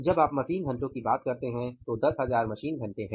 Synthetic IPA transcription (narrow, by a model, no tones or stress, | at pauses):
d͡ʒɐbaːpmɐsiːnɡʱɐ̃ɳʈõkibaːt̪̚kɐɾt̪eɦɛ̃t̪od̪ɐsɦɐzaːɾmɐʃiːnɡʱɐ̃ɳʈeɦɛ̃